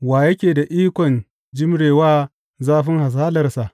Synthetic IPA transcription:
waː˨jɐ˦kʲeː˨da˨ʔiː˦kʷɔ˨n | d͡ʒɪ˦mɽeː˨waː˦ | zaː˦ɸɪ˦ŋha˨s̬aː˦lɐ˨rsa˨ʔ

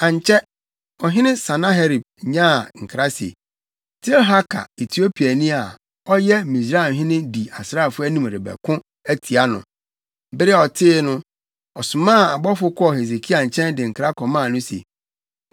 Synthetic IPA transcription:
ã˨ɲ˨t͡ɕʰɛ˦ | ɔ˨ɦɪ̃˦nɪ̃˦sã˨nã˦ɦe˦ɾi˨b̚ɲã˦˨ŋ̩˨kʰɾa˦sḛ˨ | tʰɪ˦lɦa˦kʰa̰˨e˨tʰi˨o˦pʰi˨a˨nĩ˦a˨ | ɔ˦jɛ˦mĩ˨sɾa˦˨ɦɪ̃˦nɪ̃˦di˨a˨sɾa˦˨fʊ˦æ˦nĩ˦m˨ɾɪ˨bɛ̰˨kʰʊ̃˦ | æ˦tʰi˨a˦nʊ̰̃˨ | bɪ˦ɾɪ˦ɔ˨tʰɪː˦nʊ̃˦ | ɔ˨sʊ̃˨mãː˦˨a˨bɔ˦fʊ˦kʰɔ˦ɔ˨he˨ze˨kʰi˦a˨ɲ̩˨t͡ɕʰɛ̃˦ndɪ˨ŋ̩˨kʰɾa˦kʰɔ˨mãː˦˨nʊ̃˦sḛ˨

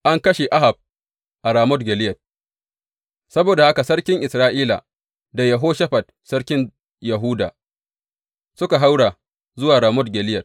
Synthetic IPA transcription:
ʔa˦ŋkɐ˦ʃe˨ʔa˦ɦa˨b̚ | ʔa˨ɾaː˨mɔ˦tɡʲɛ˨lɪ˦jɐ˨t̚ | sɐ˦boː˨da˨ha˦ka˨sɐ˦ɽkʲɪ˦ŋʔɪ˨sɾaː˦ʔiː˦la̰˨ | da˨jɐ˨ɦoː˦ʃɐ˦ɸa˨t̚ | sɐ˦ɽkʲɪ˦n | jɐ˨ɦuː˦da̰ː˨ | sʊ˦ka˨ɦa˦wɽa˨ | zʊ˦waː˨ɾaː˨mɔ˦dɡʲɛ˨lɪ˦jɐ˨t̚

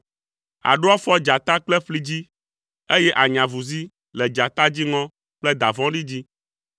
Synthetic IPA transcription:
a̰˨ɖo˦ɔ˦fɔ˦d͡ʒa˨t̪a˦k͡plɛ˦ɸli˦d͡ʑi˦ | e˦jɛ˦ʔa˨ɲã˨vu˨zi˦ | lɛ˨d͡ʒa˨t̪a˦d͡ʑi˦ŋɔ̃˦ | k͡plɛ˦d̪a˨vɔ̃˦ɖi˦d͡ʑi˦

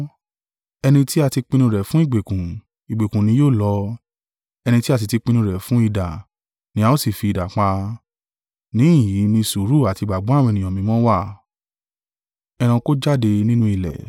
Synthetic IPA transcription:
ɛ˧nĩ˧ti˦a˧ti˧k͡pĩ˧nũ˧ɾɛ˨fũ˦i˦˨ɡ͡be˨kũ˨ | i˨ɡ͡be˨kũ˨nĩ˧˦joː˦˨lɔ˧˦ | ɛ˧nĩ˧ti˦a˦˧t̬i˧ti˧k͡pĩ˧nũ˧ɾɛ˨fũ˦i˦˧da˨ | nĩ˧˦a˧˦o˦si˦˨fi˧i˨da˨k͡pa˧ | nĩ˨˦˨ji˨˦nĩ˧su˨˦ɾu˦˨a˨ti˧ɡ͡ba˨ɡ͡bɔ̃˨˦a˦˨wɔ̃˧nĩ˨ɔ̃˨mĩ˧˦mɔ̃˦wa˦˨ | ɛ˧ɾ̃ã˧ko˦d͡ʒa˦˨de˧nĩ˦nũ˦i˨lɛ̰˨

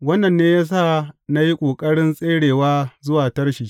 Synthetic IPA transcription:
wɐ˦nːɐ˨nːeː˦jaː˦s̬aː˦˨na˦ji˦kʷʼoː˨kʼɐ˦ɽɪ˦nsʼeː˦ɽeː˨waː˦zʊ˦waː˨tɐ˦rʃi˨˦

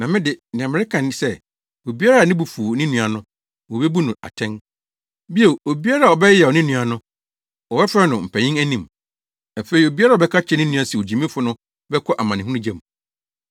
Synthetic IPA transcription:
nã˨mɪ̃˦dɪ˨nɪ̃˨ã˨mɪ̃˨ɾɪ˦kʰã˨nɪ̃˨˦sɛ˦ | o˨bi˦a˦ɾa˦˨nɪ̃˦bu˨fu˨nɪ̃˦nũ˨a˨nʊ̃˦ | wɔ˨bɛ˦bu˦nʊ̃˨a̰˨tʰɛ̃˦n | bi˦e˨o˨bi˦a˦ɾa˨ɔ˨bɛ˦jɛ˨ɔ˨nɪ̃˦nũ˨˦a˨nʊ̃˦ | wɔ˨bɛ˦fɾɛ˦nʊ̃˨m̩˨pʰæ˨ɲĩ˦ŋæ˦nĩ˨m | æ˨fe˨i˨o˨bi˦a˦ɾa˦˨ɔ˨bɛ˦kʰa˦t͡ɕʰɛ˦nɪ̃˦nũ˦ã˦si˨o˨d͡ʑi˨mĩ˦fʊ˦nʊ̃˦ | bɛ˦kʰɔ˦ʔa˨mã˨nɪ̃˨ũ˦ʊ̃˦d͡ʑɛ̃˦˨m

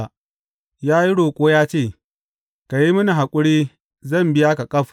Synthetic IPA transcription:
jaː˦ji˦ɽoː˨kʷʼoː˦jaː˦t͡ʃeː˦˨ | ka˨ji˦mʊ˦ni˨ɦa˨kʷʼʊ˦ɽiː˦ | zɐ˦˨mbɪ˦ja˦ka˨kʼɐ˦ɸ

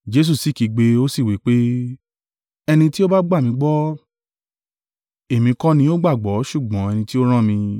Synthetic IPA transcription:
d͡ʒe˦s̬u˦˨si˦˨ki˨˧ɡ͡be˧o˦si˦˨wi˨˦k͡pe˦ | ɛ˧nĩ˧ti˦o˦ba˦ɡ͡ba˦˨mĩ˧ɡ͡bɔ˦ | e˨mĩ˨˧˦kã˦nĩ˧˦o˦ɡ͡ba˦˨ɡ͡bɔ˨˦ʃu˦˨ɡ͡bɔ̃˨˦ɛ˧nĩ˧ti˦o˦ɾ̃ã˦mĩ˧

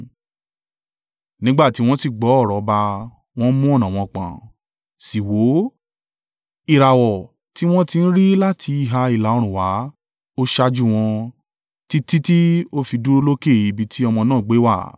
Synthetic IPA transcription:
nĩ˦ɡ͡ba˦˨ti˨˦w̃ɔ̃˦ti˦˨ɡ͡bɔ˨˦ɔ˦˨ɾɔ˨ba˧ | w̃ɔ̃˦mũ˦ɔ˦˨nã˨w̃ɔ̃˧k͡pã̰˨ | si˨wo˨˦ | i˧˨ɾa˨wɔ˨ | ti˨˦w̃ɔ̃˦ti˧n̩˦ɾi˦la˦tʰi˧i˧˨ɦa˧i˨la˨o˧ɾ̃ũ˨wa˨˦ | o˦ʃa˧d͡ʒu˦w̃ɔ̃˧ | ti˦ti˦ti˦o˦fi˧du˦o˧˦lo˦ke˦˨i˨˧˦bi˧tʰi˦ɔ˧mɔ̃˧nãː˦˨ɡ͡be˨˦wa˦˨

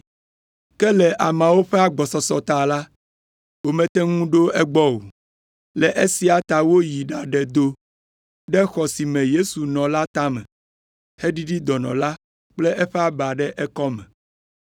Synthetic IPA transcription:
kɛ˦lɛ˨ʔa˨mã˨wo˦ɸɛ˦a˨ɡ͡bɔ˨sɔ˨sɔ˨t̪a˨la˦ | wo˨mɛ̃˨t̪ɛ˦ŋũ˦ɖo˦ɛ˦ɡ͡bɔ˦wo˨ | lɛ˨ʔe˦si˦a˨t̪a˨wo˦ji˨ɖa˨ɖɛ˨d̪o˦ | ɖɛ˦xɔ˨si˨mɛ̃˨je˦su˨nɔ̃˨la˦t̪a˦mɛ̃˨ | hɛ˦ɖi˦ɖi˦d̪ɔ˨nɔ̰̃˨la˦ | k͡plɛ˦ʔɛ˦ɸɛ˦a˦ba˨ɖɛ˦ʔɛ˦kɔ˦mɛ̰̃˨

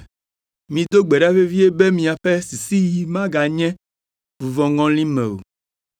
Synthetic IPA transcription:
mĩ˨d̪o˦ɡ͡be˨ɖa˦ve˦vi˦e˦be˦mĩ˨a˨ɸe˦si˨si˦ji˨mã˦ɡa˨ɲɛ̃˦ | vu˨vɔ̃˨ŋɔ̃˦lĩ˦mɛ̰̃˨o̰˨

